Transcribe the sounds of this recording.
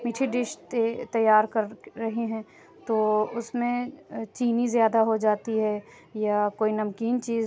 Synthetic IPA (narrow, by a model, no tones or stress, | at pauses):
miʈʰiɖɪʃtet̪ɐjːaːɾkɐɾːɐɦeɦɛ̃ː | t̪oːʊsmẽt͡ʃiːnizjaːd̪aɦod͡ʒaːt̪iɦɛː | jakoːinɐmkiːnt͡ʃiːz